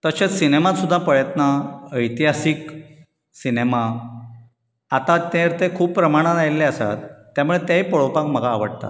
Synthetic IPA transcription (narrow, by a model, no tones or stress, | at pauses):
t̪əɕet͡ssinemat̪sud̪ʱːapəjət̪nəəjt̪iɦasik | sinema | at̪at̪ẽɾt̪ekʰuːppːɾəmaɽ̃ãnajlːeəsa̰t̪ː | jamuɭet̪jaɦipəɭopakm̤əɡʱaːʋə̰ɽt̪a̰t̪